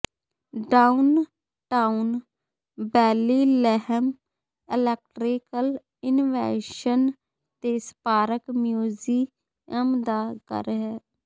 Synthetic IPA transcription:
ɖaːun | ʈaːun | bɛːliːlɛɦəm | ɪlɛːk̚ʈɾikəl | ɪnʋɛ̰ːʃən | t̪eːspaːɾəkmjuːziː | əmd̪aːkə̰ɾɦɛː

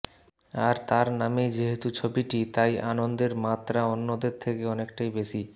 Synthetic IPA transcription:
aɾt̪aɾnamed͡ʑeɦet̪ut͡ɕʰobiʈit̪ajʔanond̪eɾmat̪ːɾaonːod̪eɾt̪ʰekeɔnekʈajbeʃi

